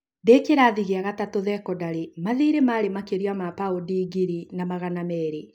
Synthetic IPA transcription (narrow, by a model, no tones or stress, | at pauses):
dekeɾaːðiɣeaɣatatoðɛkɔdaɾemaðiɾemaɾemakeɾiamapaodiɡiɾinamaɣanamɛɾe